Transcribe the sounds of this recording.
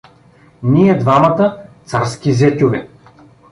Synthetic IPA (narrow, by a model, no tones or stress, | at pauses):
niɛd̪vamɐt̪ət̪saɾskʲizɛt̪ʲovɛ